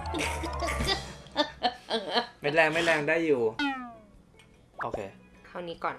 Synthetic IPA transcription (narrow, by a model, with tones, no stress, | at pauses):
ma˦˥˩lɛː˧ŋma˥˩lɛː˧ŋdaː˥˩jːuː˨˩ | ʔoː˧kʰḛː˧ | kʰaː˥˩wniː˦˥kɔː˨˩n